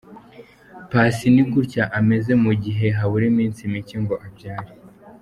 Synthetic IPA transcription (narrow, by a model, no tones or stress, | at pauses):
pasiniŋɡuɾcaʔame̞ze̞muɟiɦe̞ɦaβuɾimiːnsimiciŋɡo̞ʔabɟaːɾi